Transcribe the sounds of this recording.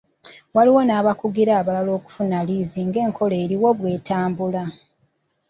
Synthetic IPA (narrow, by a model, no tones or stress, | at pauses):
waliwo̞naːβakuɡiɾaːβalalo̞ːku̥funaliːziŋɡe̞ːŋkʰo̞le̞ːɾiwo̞βwe̞ːtaːmbula